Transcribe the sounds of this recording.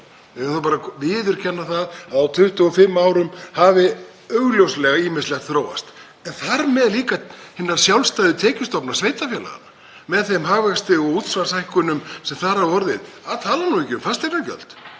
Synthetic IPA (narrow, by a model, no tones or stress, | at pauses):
ɛɣaθupaːɾavɪːðʏɾ̥cʰɛnːaθaðaðawt̪ʰʏht̪ʏɔfɪmːawɾʏmhavɪ | œɣljowslɛɣaiːmɪnst̪lɛɣθɾoːwa̰st̪ | ɛnθaɾmɛðliːkahɪnːaɾ̥sjawlst̪ajðʏt̪ʰɛːcɪst̪ɔpnḁsveːjt̪afjɛla̰ɣa̰na | mɛðθejmɦaːɣvɛst̪ɪɔɣuːt̪svansajhkʏnʏmsɛmθaɾhaðɔɾðɪðaðt̪ʰaːlanuicɪʏmfast̪eɾnacœ̰lt̪